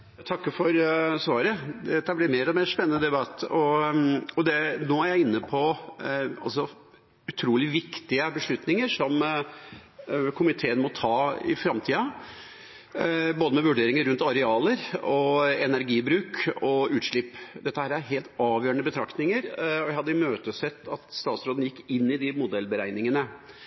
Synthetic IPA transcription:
t̪ʰɑkːəfɔɾsʋɑːɾəd̪ɛt̪ːəblɪmeːɾɔmespɛnːənəd̪ɛbɑt̪ːɔ | ɔd̪ɛnoːæɾjæɪɪnːəpʰɔ | ɑlsɔ | ʉt̪ʰɾuːlɪʋɪkt̪ɪəbəʂɭʉt̪nɪŋəɾʂɔm | kʰʊmɪt̪ʰeːənmɔt̪ʰɑːɪ̰fɾɑmt̪ʰiːɑ | boːd̪əmɛʋʉɖeːɾɪŋəɾʉnt̪ɑɾɛɑːləɾɔɛnæɾɡiːbɾʉːkɔʉːt̪ʂɭɪpːd̪ɛt̪ːəhæːɾæɾɦeːlt̪ɑːʋjøːəɳəbət̪ʰɾɑkt̪nɪŋəɾɔjæɪhɑd̪ːəɪmøːt̪əsɛt̪ːɑt̪st̪ɑːt̪sɾoːd̪n̩jɪkːɪnːɪd̪ɪmʊd̪ɛlbəɾæɪnɪŋənə

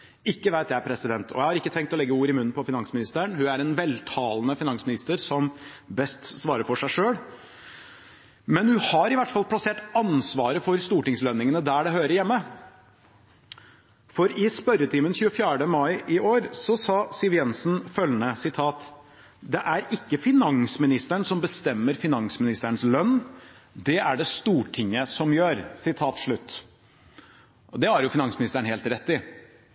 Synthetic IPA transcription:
ɪkːəʋæɪt̪jææɾpʰɾɛsɪd̪ɛnt̪ʰɔ̰jæɪhɑɾɪkːət̪ʰɛŋk̚t̪ɔlɛɡːəuːɾɪmʉnːn̩pʰɔfɪnɑŋsmɪnɪst̪əəɳhʉæɾɛnʋɛlt̪ʰɑːlənəfɪnɑŋsmɪnɪst̪əɾsɔm | bɛst̪sʋɑːɾəɾfɔʂæɪʂøːɽ | mɛnhʉnhɑɾɪʋæʈːfɑlˠpʰlɑseːʈɑnsʋɑːɾəfɔɾst̪uːʈɪŋslœnːɪŋənəd̪æːɖɛɦøːɾəɾjɛmːə | fɔɾɪspœɾət̪ʰɪmənçʉːəfjæːɖəmɑɪʔɪʔoːɾsɔsɑːsɪʋjɛnsnfœlnəsɪt̪ʰɑːt̪ | d̪ɛʔæɾɪkːəfɪnɑŋsmɪnɪst̪əɳsɔmbəst̪ɛmːəɾfɪnɑŋsmɪnɪst̪əɳslœnː | d̪ɛʔæɖɛst̪uːʈʰɪŋːəsɔmjøːɾsɪt̪ʰɑːt̪ʂɭʉt̪ː | d̪ɛæɾjʊfɪnɑŋsmɪnɪst̪əɳ̩heːlt̪ɾɛt̪ːɪ

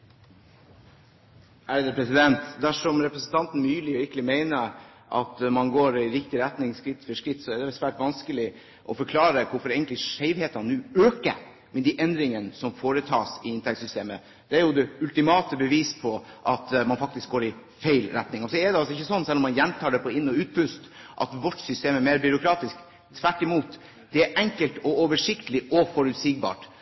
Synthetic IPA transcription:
æɖɛd̪ɛpʰɾɛsɪd̪ɛnt̪d̪æʂɔmɾɛpɾəsnt̪ʰɑnt̪n̩myːlɪɪɾkəlɪmeɪnəɾ | ʔɑ̰t̪mɑnɡoːɾɪɾɪkt̪ɪɾɛt̪nɪŋskɾɪt̪ːfɔʂkɾɪt̪ːsɔɛd̪ɛɛsʋæːʈʋɑnskəlɪ | ʔɔfɔɾkʰlɑːɾəkʰʊɾfɔɾeɪɡnt̪lɪʂæɪʋheːt̪ɑnʉːøːkə̰ɾ | mɛd̪iʔɛnd̪ɾɪŋənsɔmfoːɾət̪ʰɑːsɪɪnt̪ɛkt̪sʏst̪eːmə | d̪̥ɛæɾjʊd̪ɛʉlt̪ɪmɑːt̪əbəʋiːspʰɔʔɑt̪mɑnfɑk̚t̪ɪsk̚ɡoːɾɪ | feɪlɾɛt̪nɪŋɔsɔɛɖ̪ɛɑlsɔɪçːəsɔnːsɛlːɔmːɑnjænːt̪ʰɑːɖɛpʰɔɪnːɔʉːt̪̚pʰʉst̪ʔɑ̰t̪ʋɔʈːsʏst̪eːmæɾmeɪɾbʏɾʊkʰɾɑːt̪ɪsk | t̪ʰːʋæʈːɪmuːt̪ | d̪̥ɛæʔɛŋkəlt̪ɔoːʋəʂɪkt̪əlɪʔɔfɔɾʉt̪siɡ̚bɑ̰ːʈ

